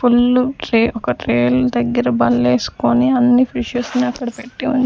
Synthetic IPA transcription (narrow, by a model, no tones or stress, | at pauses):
pʰulːuʈɾeːʔɔkɐʈɾeːld̪ɐɡːɐɾɐbɐlːeːsu̥koːniɐnːipʰɾiʃɐsniɐkːɐɽɐpeʈːiunt͡ʃ